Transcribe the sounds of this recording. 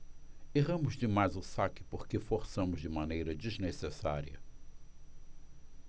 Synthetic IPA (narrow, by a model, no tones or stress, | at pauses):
eʁɐ̃mʊzd͡ʒɪmajzʊsakɪ̥poɾkɪfoɾsɐ̃mʊzd͡ʒɪmɐ̃nejɾɐd͡ʒiznesesa̰ɾiɐ̰